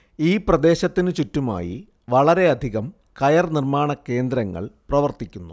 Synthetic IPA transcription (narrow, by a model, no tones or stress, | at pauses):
iːprɐd̪e̞ːɕɐt̪ːinɨt͡ɕutːuma̰ːjḭ | ʋɐɭɐɾe̞ɐd̪ʱiɣɐm | kɐjɐrnirmaːɳɐkːe̞ːnd̪ɾɐŋːɐ̰ɭprɐʋɐrt̪ikʲːunːu